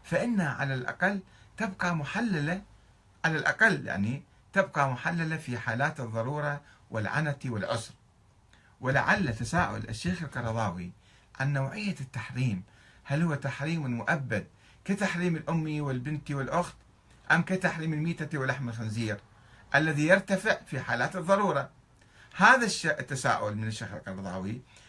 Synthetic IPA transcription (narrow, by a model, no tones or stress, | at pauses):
faʔɪnːahaʕa̰lalʔɑ̰qalːt̪ɪbqɑmʊħalːala | ʕalalʔɑ̰qalːja̰ʕni | t̪ɪbqɑmʊħalːalafiħaːlaːt̪ɨðˤːɑɾˤuːɾˤɑwʔɪ̰lʕa̰nat̪iwɪlʕʊsɾˤ | wɪla̰ʕalːat̪asaːʔʊ̰lʔa̰ʃːeːxɪlqɑɾˤɑðˤɑːwḭ | ʕanːawʕɪjːat̪ːaħɾiːm | halhʊwːat̪aħɾiːmɪlmʊʔabːad̪̚ | kat̪aħɾiːmɪlʔʊmːiwɪlbɪnt̪iwɪlʔʊxt̪ | ʔamkat̪aħɾiːmɪlmiːt̪at̪iwɪlːaħmɪlxanziːɾ | ʔalːaðijɪɾˤt̪afɪʕfiħaːlaːt̪ɨðˤːɑɾˤuːɾˤɑ | haːðaʃːaʔt̪ːasa̰ːʔʊlmɪnɪʃːeːxɪ̰lqɑɾˤɑd̪ˤɑ̰ːwi